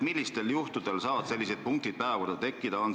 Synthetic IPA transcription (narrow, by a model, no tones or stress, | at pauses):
milʲːist̪e̞ljuht̪ud̪̥e̞lsɑːvɑd̪se̞lːis̬e̞d̪̥̚puŋk̚t̪id̪̥̚pæːvɑkord̪ɑt̪e̞kˑːid̪̥ɑon